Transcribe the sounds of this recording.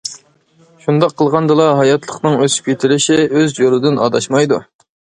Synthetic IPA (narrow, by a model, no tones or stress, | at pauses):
ʃund̪ɑqʰːəlˠʁɑnd̪ɨlˠɑɦɑjɑt̪ʰlˠəqnɨŋøsp̚ʲkʲʰet̪ʰɪɾɪʃɪøzd͡ʒolˠɨd̪ɪnɑ̰ːd̪ɑʃmɑjd̪ṵ